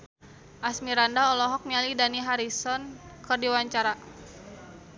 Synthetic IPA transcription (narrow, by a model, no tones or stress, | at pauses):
ʔasmiɾandaɔlɔɦɔk̚mialidaniɦaɾisɔnkɨrdiwaɲt͡ʃaɾa